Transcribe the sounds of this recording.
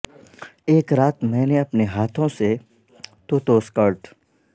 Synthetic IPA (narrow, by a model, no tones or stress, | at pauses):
eːkɾaːt̪mɛ̃ːneɐpneɦaːt̪ʰõse | t̪ot̪oːskəɾʈ